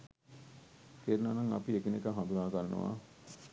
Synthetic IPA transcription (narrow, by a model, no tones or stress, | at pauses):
keɾunaːnɐŋɐ̰piekinekəɦɐ̃nd̪ulaːkɐɾɐnṵʋa̰ː